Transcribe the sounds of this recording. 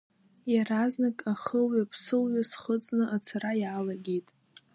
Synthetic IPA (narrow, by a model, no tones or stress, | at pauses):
jaraznakʼaχəlɥapʰsɨlɥasχət͡sʼnɨʔat͡sʰarajaːlaɡʲejtʼ